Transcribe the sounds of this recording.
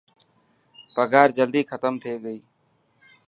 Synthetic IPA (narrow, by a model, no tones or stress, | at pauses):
pəɡaːɾd͡ʒəld̪iːkʰət̪əmt̪ʰeːɡəiː